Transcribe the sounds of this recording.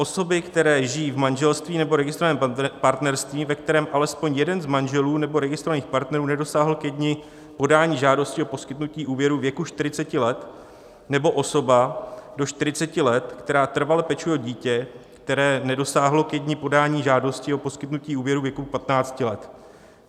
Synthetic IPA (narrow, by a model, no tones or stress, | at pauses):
ʔo̞so̞bɪkt̪ɛɾɛːʒɪjiːvmanʒɛlst̪viːnɛbo̞ɾɛɡɪst̪ɾaɛːmpaɾt̪nɛɾst̪viːmvɛk̚t̪ɛɾɛːmʔalɛspo̞ɲjɛdɛnzmanʒɛluːnɛbo̞ɾɛɡɪst̪ɾovaniːxpaɾt̪nɛɾuːnɛdo̞saːɦl̩kjɛdɲɪ | po̞daːɲiːʒaːdo̞scɪopo̞skɪt̪nuciːʔuːvjɛɾuːvjɛkuʃt̪ɪɾɪt͡sɛcɪlɛt̪ | nɛbo̞ʔo̞so̞bado̞ʃt̪ɪɾɪt͡sɛcɪlɛt̪kt̪ɛɾaːt̪r̩valɛpɛt͡ʃujɛɟiːcɛkt̪ɛɾɛːnɛdo̞saːɦlo̞kjɛdɲɪpo̞daːɲiːʒaːdo̞scɪopo̞skɪt̪nuciːuːvjɛɾuːvjɛkupat̪naːt͡scɪlɛt̪